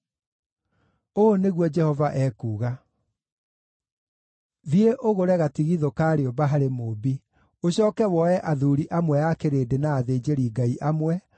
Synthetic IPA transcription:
oneɣwɔd͡ʒɛhɔvaʔɛːkuːɣa | ðieʔoɣoɾɛɣatiɣiðokaːɾeobaɦaɾemobi | oɕɔːkɛwɔɛʔaðuːɾiʔamwɛjakeɾeːdenaːðeːd͡ʑeɾiɡaiʔamwɛ

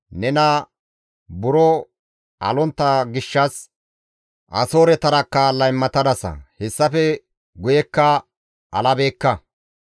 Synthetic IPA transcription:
nɛnɐ | bʊɾɔ | ʔɐ̰lɔnt̪ːɐɡɪʃːɐs | ʔɐ̰so̞ːɾɛt̪ɐɾɐkːɐlɐjmːɐt̪ɐd̪ɐsɐ̰hɛsːɐfɛ | ɡʊjɛkːɐ | ʔɐlɐbe̞ːkːɐ

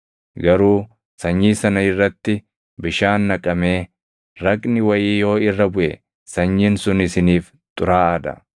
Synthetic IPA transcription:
ɡɐɾuː | sɐɲːiːsɐnɐɪrːɐt̪ːɪ | bɪʃaːnːɐkʼɐme̞ː | ɾɐkʼnɪwɐjiːjo̞ːɪrːɐbʊʔɛ | sɐɲːiːnsʊnɪsɪniːf | t̪ʼʊɾaːɐd̪ɐ̰

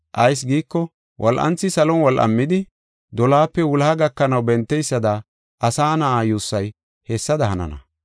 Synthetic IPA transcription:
ʔɐjs̬ɡiːkːɔ | wʔɔlʔɐ̰nt͡sːɪsɐlɔnwɔlʔɐ̰mːɪd̪ɪ | d̪ɔlaːpːɛwʊlaːɡɐkːɐnɐwbɛnt̪ːɛjsːɐd̪ɐ | ʔɐsaːnɐʔaːjuːsːɐj | hɛsːɐd̪ɐhɐnɐ̰nɐ̰

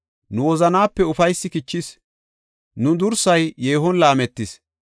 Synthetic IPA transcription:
nʊwɔzɐnaːpːɛʊfɐjsːɪkɪt͡ʃːɪs | nʊd̪ʊɾsɐjːe̞ːɦɔnlaːmɛt̪ːɪs

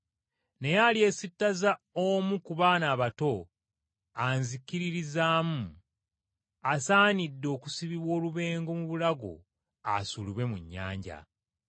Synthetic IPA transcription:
ne̞jalie̞sitːaza | omukuβaːnaːβato̞ | anzikiɾiɾizaːmu | asaːnidːeo̞ːkusiβiβwo̞ːluβe̞ːŋɡo̞muβulaɡo̞̰ | a̰suliβwe̞mṵɲːa̰ːɲɟa̰

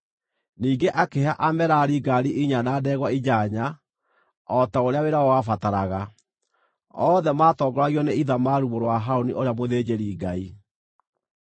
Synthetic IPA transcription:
niːɡeʔakeaʔamɛɾaɾiɡaɾiʔiɲanaːdɛːɣwaid͡ʑaɲa | ɔtaoɾeaweɾaɔwafataɾaɣa | ɔðɛmaːtɔːɡɔɾaɣiɔneiðamaɾuβoɾwaɦaoniʔoɾeamoðeːd͡ʑeɾiːɡai

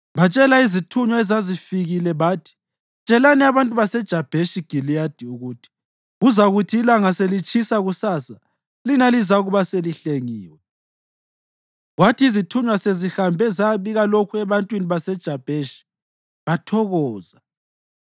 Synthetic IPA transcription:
βat͡ʃʼɛlaizitʰuɲwaɛzazifiɣilɛβaːtʰi̥ | t͡ʃʼɛlanɛaβantʼuβasɛd̥ʒ̥ʱab̥ʱeʃiɡ̥ʱilijad̥ʱiuɣutʰi̥ | ɣuzaɣutʰiːlaŋaselit͡ʃʰisaɣusaːsa | linalizauɣuβaseliɬeŋḭːwɛ | ɣwatʰiizitʰuɲwasezihambʱɛzaβiɣalokʰuɛβantʼwiniβasɛd̥ʒ̥ʱab̥ʱeʃi̥ | βatʰɔɣɔːza

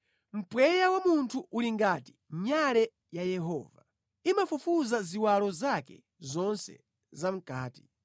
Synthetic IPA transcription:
m̩pwɛjawamuntʰuʔuliŋɡaːti̥ | ɲalɛ | jajɛɦɔ̰ːva | imafufuzaziwalɔzakɛ̰ | zɔnsɛ̰ | zam̩kaːti̥

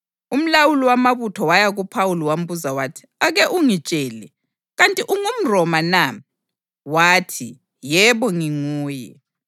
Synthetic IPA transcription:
um̩lawuliwamaβutʰɔwajaɣupʰawuliwam̩buzawatʰi̥aɣɛʔuŋit͡ʃʼɛːlɛ | ɣantʼiʔuŋum̩rɔmana | waːtʰi | jɛβɔŋiŋuːjɛ̰

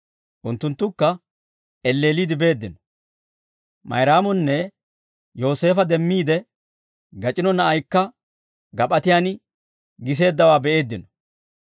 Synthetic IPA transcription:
ʔʊnt̪ːʊnt̪ːʊkːɐ | ʔɛlːe̞ːliːd̪ɪbe̞ːd̪ːɪnɔ̥ | mɐ̰jɾaːmɔnːɛ | jo̞ːse̞ːfɐd̪ɛmːiːd̪ɛ | ɡɐt͡ʃʼɪnɔnɐʔɐjkːɐ | ɡɐpʼɐt̪ɪjaːn | ɡɪs̬e̞ːd̪ːɐwaːbɛʔe̞ːd̪ːɪnɔ̥

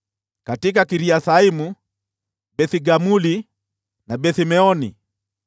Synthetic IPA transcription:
katik̬akiɾiaθaimu | bɛθiɡamuli | nabɛθimɛɔni

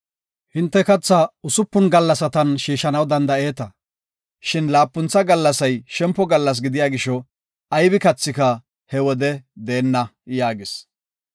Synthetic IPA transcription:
hɪnt̪ːɛkɐt͡sːɐʊsʊpːʊnɡɐlːɐsɐt̪ɐnʃiːʃɐnɐwd̪ɐnd̪ɐe̞ːt̪ɐ | ʃɪnlaːpːʊnt͡sːɐɡɐlːɐsɐjʃɛmpːɔɡɐlːɐs̬ɡɪd̪ɪjaːɡɪʃɔ | ɐjbɪkɐt͡sːɪkɐ | hɛwɔd̪ɛd̪e̞ːnːɐjaːɡɪs

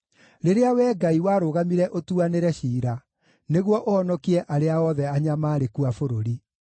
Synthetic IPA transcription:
ɾeɾeawɛːɡaiwaːɾoɣamiɾɛʔotuaneɾɛɕiːɾa | neɣwɔʔoɔnɔkiɾɛʔaɾeaɔðɛaɲamaːɾekuafoɾoɾi

